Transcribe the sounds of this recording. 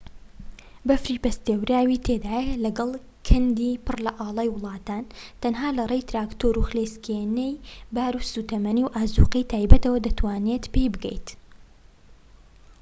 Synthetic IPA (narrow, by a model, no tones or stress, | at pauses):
bɐfɾiːbɐst̪ewɾaːwiːt̪ʰeːd̪aːjɐlɐɡɐlˠ | kʰɨnd̪iːpɨrlɐʔɑːlˠɑːjwʊlˠɑːt̪aːnt̪ɐnɦaːlɐrˤeːjt̪ɾaːkt̪oːɾuxleːskʰeːnejbaːɾusuːt̪ɐmɐniːwʔaːzuːqijt̪ʰaːjbɐt̪ɐwɐd̪ɐt̪ʰwaːneːt̪pejbɨɡɛ̰jt̪